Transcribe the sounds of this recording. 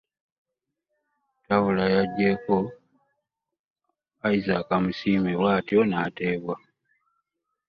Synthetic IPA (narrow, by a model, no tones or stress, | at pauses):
tawulajaɟːe̞ko̞ | aizakamusiːmewaːtjonaːte̞ːβwa